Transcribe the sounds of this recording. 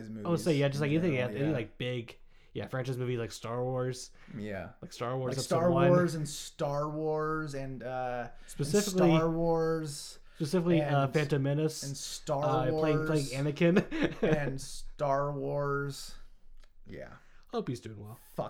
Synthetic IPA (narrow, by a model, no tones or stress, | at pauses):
zmʉoʊsojæd͡ʒʌs̬laɪkɛ̃niθɪ̃ŋæɛnilaɪk̚b̥ɪɡ | jæ̰fɹæ̃nt͡ʃaɪzmʉvilaɪkstɑɹwɔɹz̥ | jæ̰laɪkstɑɹwɔɹzsɹãɪɔɹz̃nstɑɹwɔɹzɨ̃nʌspɨsɪfɪkliɹwɔɹz̥ | spɨsɪfɪkliʌfæ̃ntɨmɪnɨsnstɑʌl̥eɪɪ̃ŋpʰleɪɪ̃ŋɛnɨkɨ̃nɨ̃nstɑɹwɔɹz̥ | jæ̰ | hoʊpizdʉɪ̃ŋwɛlˠfʌ